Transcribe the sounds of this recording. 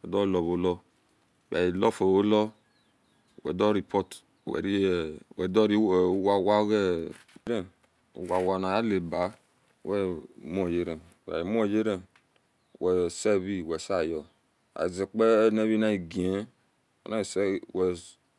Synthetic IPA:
ɛ̰˨dɔ˦lɔ˨βo˨˦lɔ˦˨ | wa˨ji˨lɔ˦fo˨wo˦lɔ˦˨ | wɛ̰˨dɔ˦ɾi˨pɔ˦t | wɛ̰˨ɾi˦˨wɛ˨dɔ˦ɾi˦˨˦wa˨wa˦ɣɛ˦ɾɛ˦ | ṵ˨wa˨wa˨na˨ja˦le˨ba˨˦ | wɛ˦m˦o˨je˦ɾɛ˨wa̰˨ji˨m˦o˦˨je˦ɾɛ˨ | wɛ˨sɛ˦βi˦˨wɛ˨sa˦˨jɔ˨ | a̰˨i˨zɛ˨k͡pɛ˦ne˦βi˦na˦i˨ɡi˨e˦ | o̰˨na˦i˨sɛ˦wɛ˨

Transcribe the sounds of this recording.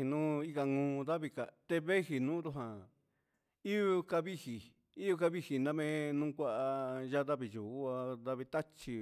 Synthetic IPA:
i˨nũ˦i˦˧ka˧ŋũː˧˦˧ða˦βi˧ka˨t̪e˧βe˦hi˧nũː˦d̪u˧ɦã˨ | i˦o˧ka˧βi˦hi˨ | i˦jo˧ka˧βi˦hi˨nã˧mẽ˦nũ˦kʷa˦ʔa˧ʒa˦ða˧βi˧ju˨u˦a˧ða˧βi˧t̪a˦t͡ʃi˧

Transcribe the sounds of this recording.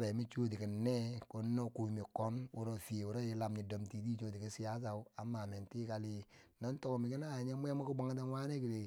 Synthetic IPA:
be˨mi˦t͡ʃo˦t̬i˨ki˨nːe˦ko˦nːo˦ku˨mi˨ko˦nu˦ɾo˦˨fi˨e˨u˨ɾo˦ji˨˦la˨mɲi˨do˨mti˨ti˦t͡ʃo˦ti˨ki˦si˦ja˦sa˨˦a˨ma˨me˨nti˦ka˦li˦na˦n˦to˦˨mi˨ki˦na˦˨ɲe˦m˦e˦ma˦ku˦ɡ͡ba˨ŋ˦ta˦wa˦ne˦ki˨ɾe˨

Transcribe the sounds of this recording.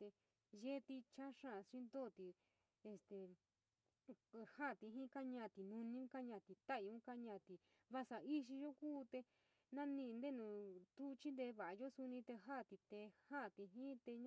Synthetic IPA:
t̪e˧ | ʒe˦˧t̪i˧t͡ʃã˦ʂã˦˨˧ʂĩ˦nd̪o˦˨t̪i˨ | e˧st̪e˨˧ | hã˦˨t̪i˧ɦĩ˦ka˦ɲã˧˨t̪i˨nũ˧nĩ˧ũ˦ka˦ɲã˧˨t̪i˨t̪a˦i˧ũ˦ka˦ɲã˧˨t̪i˧ | βa˧sa˨i˦ʃi˧jo˦kuː˦t̪e˧ | nã˦nĩ˧nd̪e˦nũ˧˨t̪u˦˧t͡ʃĩ˦nd̪e˧βa˨a˧jo˦su˧nĩ˧t̪e˧ɦa˦˧t̪i˧t̪e˧hã˦˨t̪i˧ɦĩ˦t̪e˧ɲ˦

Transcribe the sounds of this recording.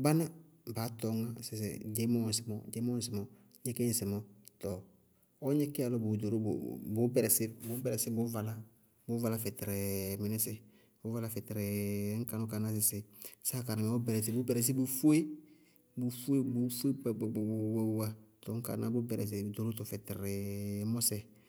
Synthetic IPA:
ba˦na˦ | baː˨˦tɔ˨˦ŋa˦sɪ˨s̬ɪ̰˨d͡ʒɛ˦mɔ˦˨sɪ˨mɔ̰˨d͡ʒɛ˦mɔ˦˨s̬ɪ˨mɔ˨ | ɲɛ˦ke˦˨sɪ˨mɔ˨tɔ˨ | ɔ˦ɲɛ˦kɛ˦a˨lɔ˦bʊ˨do˨ɾo̰˦˨bʊ˨˦bɛ˨ɾɛ˨sɪ˦bʊ˨˦bɛ˨ɾɛ˨sɪ˦bʊ˨˦va˨la˦ | bʊ˨˦va˨la˦fɛ˨tɾɪ˨mɪ˨nɪ˦sɪ˨ | bʊ˦va˦la˦fɛ˨tɪ˨ɾɪ˨˦ŋ̩˦ka˨nʊ˦ka˨na˦s̬ɪ˨sɪ˨sa˦˨ka˨na˨mɛ˨ɔ˦bɛ˨ɾɛ˨s̬ɪ˨˦bʊ˨˦bɛ˨ɾɛ˨s̬ɪ˦bu˨fu˦e˦ | bu˨fu˦e˦bu˨˦fu˦e˦˨wɛ˦wa˦tɔ˨ŋ̩˦ka̰˨na˦bʊ˦bɛ˨ɾɛ̰˨s̬ɪ˨do˨ɾo˦tɔ˨fɛ˨tɪ˨ɾɪ˨˦mɔ˦sɛ˨

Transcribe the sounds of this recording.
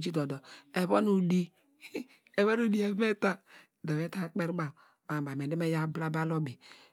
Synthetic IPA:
d͡ʒi˦do˨dɔ˨e˨βo˦nu˨di˨ | e˨βo˦nu˨di˨e˨˦me˦ta˦˨ | da˨βe˦ta˦k͡pe˦ɾɡ͡ba˨ | ma˨ba˨me˨de˦me˦ja˦bla˦ba˦lo˦bi˨

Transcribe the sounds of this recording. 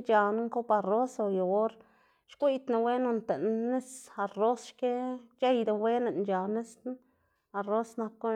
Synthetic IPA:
t͡ʃa˧na˦ŋko˦pa˧ɾo˦so˧jo˨o˦ɾ | ʃkʷi˦t̪na˧we˦no˧nt̪e˨nnːe˦sa˧ro˦sʃke˦t͡ʃe˦jd̪a˧we˦ne˨nt͡ʃa˨ne˦s | a˧ɾo˦sna˧kːo˦

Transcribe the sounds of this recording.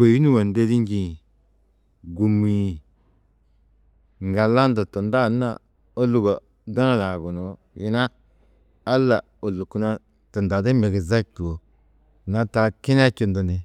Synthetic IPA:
we˨ji˦nu˦wa˨n˨de˦di˦ŋ˦ɡĩ˨ | ɡu˨mi˨ | ŋɡa˨la˦n˦da˨to˨nda˦˨˦na̰˨ | o˦lu˦˨ɡa˨ | da˦na˦la˨ɡu˨no˨ | ji˦naː˦ | lːa˨ | o˨lu˨ku˦na˦ | tə˨nda˨da˦me˨ɡe˨za˦k̚tu˨wo˨ | na˦ta˨ki˦n˦a˦ki˦˨ndo˨ni˨

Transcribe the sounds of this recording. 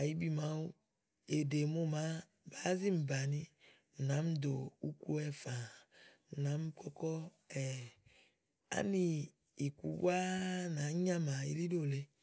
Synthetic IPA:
a˨ji˦bi˨ma˨˦u˦ | e˨de˨mo˦ma˦ | ba˦zi˦m̩˨ba˨ni˦ | m̩˨na˨˦m̩˦d̪o˨u˦ku˦ɛ˦fa˨m̩˨na˨˦m˦kɔ˦kɔ˦ | ɛ˨ | a̰˦ni˦ | i˨kṵ˨˦bu˦a˦na˨˦ɲã˦ma˨ḭ˦li˦do˦˨le˦

